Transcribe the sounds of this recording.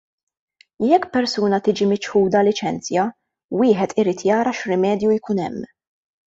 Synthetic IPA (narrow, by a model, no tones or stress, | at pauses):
jɛkːpɛɾsuːnɐt̪ɪːd͡ʒimɪt͡ʃħuːd̪ɐlɪt͡ʃɛnt͡sjɐ | wɪːħɛt̪ʰɪɾiːt̪jɐːɾɐʃɾɪmɛːd̪jujkuːnɛ̰mː